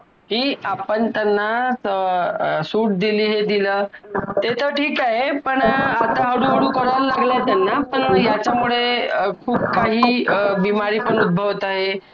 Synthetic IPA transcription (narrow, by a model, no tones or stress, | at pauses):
kiːapəɳt̪anːaəsuːʈ̚d̪iliːɦed̪ilət̪et̪ʰəʈʰiːkaɦepəɳat̪aɦəɽuɦəɽuːkəɾəllaɡlat̪janːapəɳjat͡ɕamuɭekʰuːb̚kaɦiːbimaɾiːpəɳud̪̚bʱəʋt̪aɦe